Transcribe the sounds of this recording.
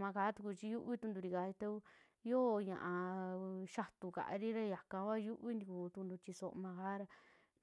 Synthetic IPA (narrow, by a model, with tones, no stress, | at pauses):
mã˧kaː˨˦t̪u˧ku˧t͡ʃi˧ju˦ʔβi˦t̪ũ˧nd̪u˧ɾi˧ka˨˧˦i˧t̪e˦u˦ | jo˦˧ɲã̰˧ʔã˧ʃa˧t̪u˧ka̰˨ʔa̰˧ɾi˦ɾa˦ja˨kã˧βa˦˧ju˦ʔβi˦nd̪i˧ku˧t̪u˧nd̪u˧t͡ʃi˧so˧ʔmã˧ka˦ɾa˧